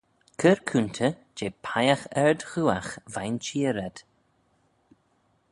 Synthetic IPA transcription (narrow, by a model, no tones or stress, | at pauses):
kʰəɹkʰunt̪ʰə | d͡ʒeːpʰajaxɛɹd̪xuːaxvajnt͡ʃiːəɾɛd̪̥